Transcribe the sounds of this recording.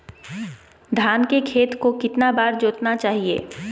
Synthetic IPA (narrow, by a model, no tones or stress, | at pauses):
d̪ʱaːnkekʰeːt̪kokɪt̪nabaːɾd͡ʒoːt̪nat͡ʃaːɦiḛː